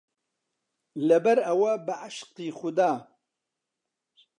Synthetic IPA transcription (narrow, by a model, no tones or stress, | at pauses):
lɐbɐɾɐwɐbɨʕaʃqiːxʊd̪aː